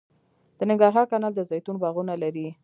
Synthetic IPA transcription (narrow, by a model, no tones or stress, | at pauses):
d̪̥ənɪŋɡɑɾɦɑɾkɑnɑld̪əzɑjt̪unbɑɣunalaɾi